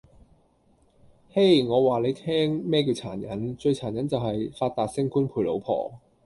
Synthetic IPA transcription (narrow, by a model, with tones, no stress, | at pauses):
he˥jŋɔː˨˧waː˨le˨˧jt̪ʰɛː˥ŋmɛː˥ki˧wt͡sʰaː˨˩njɐ˨˥nt͡ʃɵ˧ɥt͡sʰaː˨˩njɐ˨˥nt͡sɐ˨wɦɐ˨jfaː˧t̚t̪aː˨t̚sɪ˥ŋkuː˥npʰuː˧jlo̰˨˧˥wpʰɔ̰ː˨˩